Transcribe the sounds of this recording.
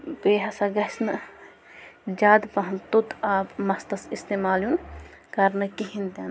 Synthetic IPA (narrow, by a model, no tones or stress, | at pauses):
beːɦɐsɐɡɐsnɐ | d͡ʒaːd̪pɐɦnt̪ut̪aːpmɐst̪ɐsist̪eːmaːljunkɐɾnɐkiɦĩnt̪ɐn